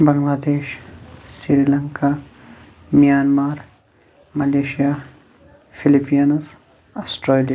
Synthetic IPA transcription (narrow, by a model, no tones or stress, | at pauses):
bɐŋɡlaːd̪eːʃsiɾilɐŋka | mijaːnmaːɾ | mɐleːʃija | fʰilipijɐnz | asʈɾelija